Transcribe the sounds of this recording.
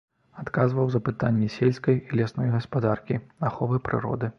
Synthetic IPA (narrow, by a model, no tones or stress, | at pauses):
at̪kazvɐwzɐpɨt̪anʲːɛsʲelʲskɐjilʲasnɔjɣɐspad̪arkʲiaxɔvɨpɾɨ̰ɾɔ̰d̪ɨ